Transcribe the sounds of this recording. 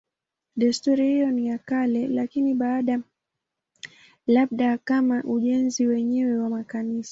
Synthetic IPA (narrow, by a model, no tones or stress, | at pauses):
ɗɛstuɾihijɔnijakalɛlakiniɓaːɗa | laɓ̚ɗakamaʔuʄɛnziwɛɲɛwɛwamakanisḁ